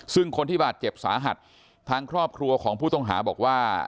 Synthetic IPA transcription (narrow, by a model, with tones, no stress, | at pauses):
sɯ˥˩ŋkʰo˧nt̪ʰiː˥˩baː˨˩t̪̚t͡ɕe˨˩p̚saː˩˦ɦa˨˩t̪̚ʰː | aː˧ŋkʰɾɔː˥˩p̚kʰɾu˧ɐkʰɔː˩˦ŋpʰuː˥˩t̪ɔ˥˩ŋɦa̰ː˩˦bɔː˨˩k̚waː˥˩